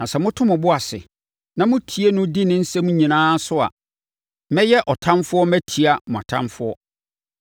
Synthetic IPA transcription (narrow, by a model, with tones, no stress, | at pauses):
nã˨sɛ˨mʊ̃˦tʰʊ̃˦mʊ̃˨bʊ˦a˨sɪ̰˨ | nã˨mʊ̃˦tʰi˨e˦nʊ̃˦di˦nɪ̃˦n̩˦sɛ˦mũ˦ɲĩ˨nãː˦sʊ˦a̰˨ | mɛ̃˦jɛ˦ʔɔ˨tʰã˦nfʊ˦ɔ˦mæ˦tʰi˨a˨mʊ̃˨a̰˨tʰã̰˦mfʊ˦ɔ˦